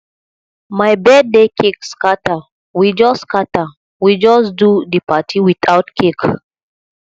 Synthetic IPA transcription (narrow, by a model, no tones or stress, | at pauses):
majbɛd̚dekʰekskata | wid͡ʒɔskata | wid͡ʒɔsdudəpatʰiwiθaʊtkʰek